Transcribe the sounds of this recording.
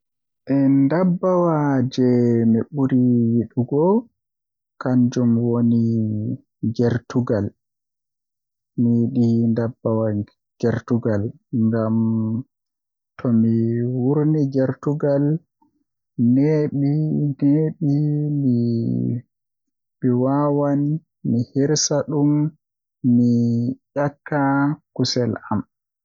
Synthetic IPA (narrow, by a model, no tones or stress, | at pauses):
ʔɛndabːawad͡ʒɛmiɓuɾiwiɗuɡɔ | kaɲd͡ʒumwoni | ɡɛɾtuɡal | miɗindabːawa | ɡ̥ɛɾtuɡal | ŋɡam | tʰɔmiwuɾniɡɛɾtuɡal | neɓineɓimi | miwawani | mihiɾsaɗumː | ijakːakusɛla̰m